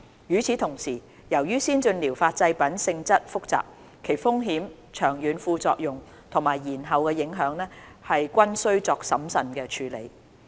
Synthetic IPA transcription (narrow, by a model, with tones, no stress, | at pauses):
jyː˨˥t͡sʰiː˨˥t̪ʰʊ˨˩ŋsiː˨˩ | jɐ˨˩wjyː˥siː˥nt͡ʃɵ˧nliː˨˩wfaː˧t̚t͡sɐ˧jpɐ˨˥nsɪ˧ŋt͡sɐ˥t̚fʊ˥k̚t͡sa̰ː˨p̚ | kʰe˨˩jfʊ˥ŋɦiː˨˥m | t͡ʃʰœː˨˩ŋjyː˨˧nfuː˧t͡sɔ̰ː˧k̚jʊ˨˩ŋ | t̪ʰʊ˨˩ŋmaː˨˩jːiː˨˩nɦɐ˨wkɛː˧jɪ˨˥ŋɦœː˨˧˥ŋlɛː˥hɐ˨jkʷɐ˥nsɵ˥ɥt͡sɔː˧k̚sɐ˨˥msɐ˨nkɛː˧t͡ʃʰyː˨˥lḛ˨˥j